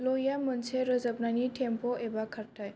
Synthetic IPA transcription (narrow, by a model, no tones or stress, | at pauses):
lojamənsʰeɾəzəp̚naniʈʰempoʔebakʰəɾʈʰaj